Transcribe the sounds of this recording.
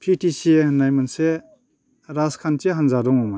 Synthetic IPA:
pʰitisienajmanse | ɾaskʰanteɦanzadɔŋɔma

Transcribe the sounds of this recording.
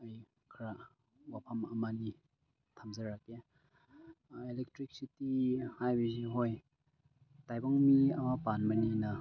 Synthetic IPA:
əj | kʰɾa | wapʰɐmɐ̰mani | tʰamzɐɾake | elek̚tɾik̚sitihajbiziɦoj | tajbɔŋmiɐmapanmɐninɐ

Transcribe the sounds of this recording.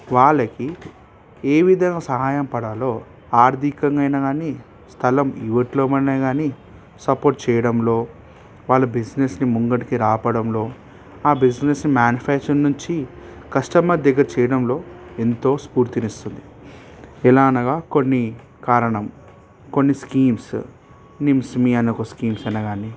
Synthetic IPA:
ʋaːɭːɐki | eːʋid̪ʱɐŋɡaːsɐɦaːjɐmpɐɽaːlo̞ː | aːɾd̪ʱikɐŋɡɐjnɐɡaːniː | st̪ʰɐlɐmḭʋɐʈlo̞ːmɐnaɡaːni | sɐpoːɾʈ̚t͡ʃɛːjɐɽɐmlo̞ː | ʋaːɭːɐbid͡ʒnesnimuŋɡɐʈikiɾaːpɐɽɐmlo̞ː | aːbid͡ʒnesnimjaːnifʰaːkt͡ʃɐɾnuɲt͡ʃikɐʂʈɐmɐd̪ɛɡːɐɾt͡ʃɛːjɐɽɐmlo̞ːent̪o̞ːspuːɾt̪inist̪und̪i | ɛlaːɐnɐɡaːko̞nːi | kaːɾɐɳɐm | konːiskiːms | nimsmiɐnokoskiːmsɐnɐɡaːni

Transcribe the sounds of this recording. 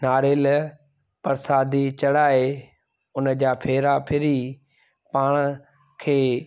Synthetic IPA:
naːɾeːl | pɐɾsaːd̪it͡ɕɐɽaːe | ʊnəd͡ʑaːpʰeːɾapʰɪɾi | paːɽ̃ə | kʰeː

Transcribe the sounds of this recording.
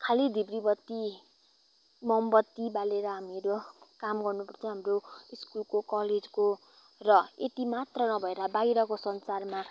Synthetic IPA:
kʰalid̪ʱibribʌt̪ːi | mʌmbʌt̪ːibaleɾʌɦamiɾokamɡʌrnupʌrt͡sʰʌɦamroiskulkokʌled͡zko | rʌet̪imat̪rʌnʌbʱʌeɾʌbaiɾʌkosʌnsarma

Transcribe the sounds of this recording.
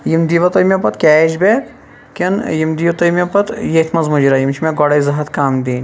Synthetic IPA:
jimd̪iʋɐt̪ojmʲepɐt̪kʲɛːʃbeːk | kʲɐnjimd̪iːʋɐt̪ojmʲepɐt̪jet̪ʰmɐzmud͡ʒiɾaːjimt͡ʃʰimeɡoɽɐjzɐɦɐt̪kaːmd̪eːnʲ

